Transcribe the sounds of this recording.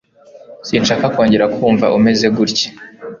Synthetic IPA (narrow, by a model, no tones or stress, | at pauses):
siːnʃaːkakoːɲɟeɾakʰuːɱva̰ʔume̞ze̞ɡuɾce̥